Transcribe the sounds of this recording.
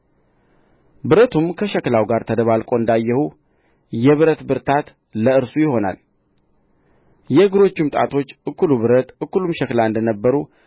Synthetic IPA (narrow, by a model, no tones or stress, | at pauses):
bɨɾət̪ʰumkʰəʃɛklawɡaɾt̪ʰəd̪əβalkʼo̞ɨnd̪ajːɛhu | jɛβɨɾət̪bɨɾt̪ʰat̪ | ləɨɾsujɪho̞na̰l | jɛɡɨɾo̞t͡ʃːumt̪ʼa̰t̪ʰo̞t͡ʃːʔɨkːuluβɨɾət̪ʔɨkːulumʃɛklaɨnd̪ənəbːəɾu